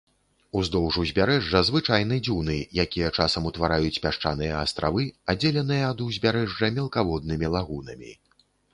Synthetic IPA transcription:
uzd̪ɔwʐuzʲbʲaɾɛʐːɐzvɨt͡ʂajnɨd͡zʲunɨjakʲijɐt͡ʂasɐmut̪vaɾajut͡sʲpʲaʂt͡ʂa̰nɨjɐːst̪ɾa̰vɨad͡zʲelʲɛnɨjɐːd̪uzʲbʲaɾɛʐɐmʲɛlˠkavɔd̪̚nɨmʲilˠaɣunɐmʲḭ

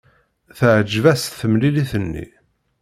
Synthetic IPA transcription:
θəʕd͡ʒvæsθəmliliθənːḭ

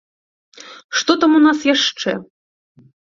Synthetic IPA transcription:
ʂt̪ɔt̪amunasjaʂt͡ʂɛ

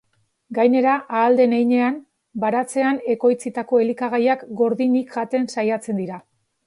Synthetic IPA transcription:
ɡajne̞ɾaʔaːld̪e̞nejɲe̞am | baɾat͡se̞ane̞ko̞jt͡sit̪ako̞e̞likaɣajakɡo̞ɾðinikʝat̪e̞nsajat͡se̞nd̪iɾa

